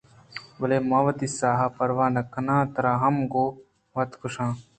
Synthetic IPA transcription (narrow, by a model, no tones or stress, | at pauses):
bɐleːmɐːʋɐt̪isaːɦɐpɐɾʋaːnɐkɐnãːt̪ɐɾaːɦɐmɡoː | ʋɐt̪kʰʊʂãː